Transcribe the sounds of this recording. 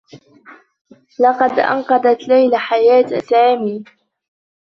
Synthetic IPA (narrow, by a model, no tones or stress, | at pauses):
lɑqɑd̪ʔɑ̰nqɑd̪ˤat̪lajlaħajaːt̪saːmiː